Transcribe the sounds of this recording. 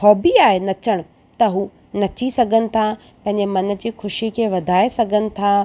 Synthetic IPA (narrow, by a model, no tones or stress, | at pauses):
ɔːbiaːɦenɐt͡ɕəɽ̃ʊ̆ | t̪ɐɦuː | nɐt͡ɕisɐɡʱənɪ̆t̪ʰa | pɐ̃ɦɪ̃ɲd͡ʑemɐnə̆d͡ʑiːxʊʃikʰeːʋɐd̪ʱaːesɐɡʱənɪ̆t̪ʰa